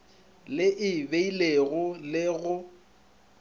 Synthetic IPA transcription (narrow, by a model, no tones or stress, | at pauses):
lɪʔɪbeileɣʊlɪɣʊ